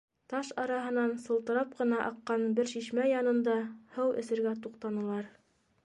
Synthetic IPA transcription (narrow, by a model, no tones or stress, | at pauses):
t̪ɑʃɑɾɑɦɤ̆nɑnsɤ̆lˠt̪ɤ̆ɾɑp̚qɤ̆nɑʔɑqːɑnbɘɾʃiʃmæjɑnɤ̆nd̪ɑhɤwɘ̆sɘ̆ɾɡæt̪uqt̪ɑnɤ̆lˠɑɾ